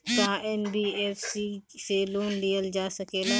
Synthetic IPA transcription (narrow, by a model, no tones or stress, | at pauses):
t̪ɐãɛːnbiːɛːfsiseloːnlijəld͡ʒaːsɐkeːla